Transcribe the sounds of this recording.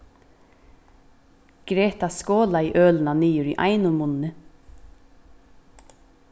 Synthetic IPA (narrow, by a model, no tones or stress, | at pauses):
ɡ̥ɾeːt̪askɔːlaiʔœːlnaniːjʏɾiʔa̰jnʊmʊnnɪ